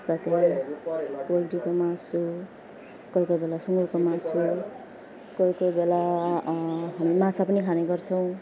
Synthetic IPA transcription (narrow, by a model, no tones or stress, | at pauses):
sat̪e | wʌlʈikomasu | kʌikobelasuŋɡuɾkomasu | kʌikobela | ɦʌmimãt͡sʰapʌnikʰaneɡʌrt͡sʰʌw̃